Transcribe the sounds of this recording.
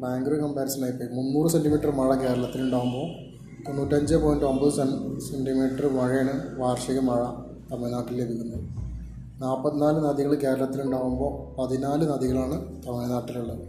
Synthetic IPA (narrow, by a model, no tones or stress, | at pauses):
baːŋɡɾoikɐmpaːɾɐsɐnaːjipːoːjmunːuːrɨsenɖimiːʈːɐrmɐɻɐke̞ːɾɐlɐt̪ːiluɳɖaːʋumbo̞ː | t̪onːuːʈːɐɲd͡ʑɨpo̞ːjnɖo̞mbɐðsɐsenɖimiːʈːɐrʋɐɻijɐɳɨʋaːrʂɐɣɐmɐɻɐ | t̪ɐmːenaːʈːillebʱikʲːunːɐðɨ | naːpːɐt̪ːinaːlɨnɐðiɣɐɭɨke̞ːɾɐlɐt̪ːiluɳɖaːʋumbo̞ːpɐðinaːlɨnɐðiɣɐɭaːɳɨt̪ɐmːenaːʈːiluɭːɐɨ